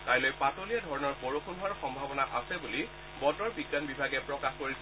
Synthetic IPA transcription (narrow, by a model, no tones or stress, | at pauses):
kajlojpatolijadʱɔɹɔnɔɹpoɹoxʰundʱaɹxɔmbʱabɔnaʔasɛbuli | bɔtɔɹbiɡːanbibʱaɡɛpɹɔkaxkoɹis